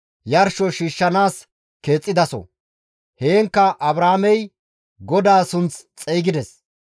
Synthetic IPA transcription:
jɐɾʃɔʃiːʃːɐnaːs | ke̞ːt͡sʼːɪd̪ɐsɔ̰ | heːŋkːɐʔɐbɾaːmɛj | ɡɔd̪aːsʊnt͡st͡sʼɛjɡɪd̪ɛs

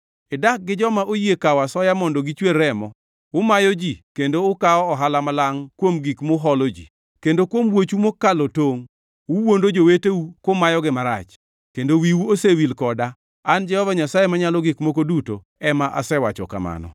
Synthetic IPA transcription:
ɪdak̚ɡɪd͡ʒɔmaʔojekawasɔjamɔndoɡit͡ʃweɾɛmɔ | wʊmajɔd͡ʒikendoʊkaɔɔɦalamalaŋkwomɡikmoɦɔlod͡ʒḭ | kendokwomwot͡ʃumokːalotoŋ | wuwondod͡ʒowetewukomajɔɡɪmaɾa̰t͡ʃ | kendowiwuosewilkɔda | and͡ʒɛhɔvaɲasajemaɲalɔɡikmokoduto̰ | ɛmaʔa̰sɛwat͡ʃɔ̰ka̰ma̰nɔ̰

